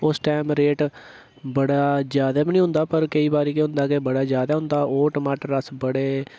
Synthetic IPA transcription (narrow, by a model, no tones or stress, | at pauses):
ʊsʈɛːmɾeːʈ | bəɽaːd͡ʒjaːd̪aːbinĩːʊ̃nd̪aːpəɾkəiːbaːɾiːkeɦʊ̃nd̪aːkebəɽaːd͡ʒjaːd̪aːɦʊ̃nd̪aːʔoːʈəmaːʈəɾəsbəɽeː